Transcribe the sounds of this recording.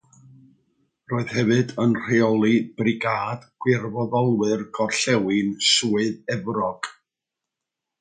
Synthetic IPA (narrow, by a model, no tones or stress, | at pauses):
roːɨð̥hɛvɨdənr̥eɔlˠib̥rɪɡaːd̥ɡ̥wɪrvɔðɔlˠwɨrɡɔrɬɛwɪnsuːɨðɛvrɔɡ̥